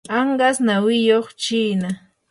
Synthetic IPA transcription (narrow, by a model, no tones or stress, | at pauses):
ɑɴɢɑsnawɪjoχt͡ʃiːna